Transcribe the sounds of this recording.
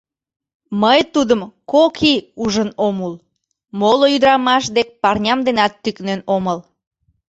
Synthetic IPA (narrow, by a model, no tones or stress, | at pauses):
məjt̪ud̪əmkokʰiuʒənomul | moloyd̪əɾɑmɑʃd̪ek̚pɑrnʲɑmd̪enɑt̪ːyknenoməl